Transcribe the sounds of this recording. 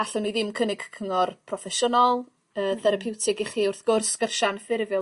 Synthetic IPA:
aɬʊniðɪmkʰənɪɡ̥kʰəŋɔrpʰrɔfɛʃənɔlˠ | əːθɛɾapʰɪwtʰɪɡiχiʊrθɡ̥ʊrsːkərʃanfɪrvjɔ

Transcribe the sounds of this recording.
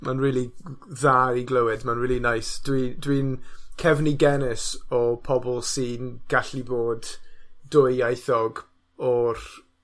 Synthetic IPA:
manriːlˠi | ðaiɡləwɨdmanɹiːlˠinajsd̥widwinkʰɛvniɡɛnɪsɔpʰɔbɔlˠsiːnɡ̥aɬiboːdd̥ʊɨajθɔɡ | ɔr

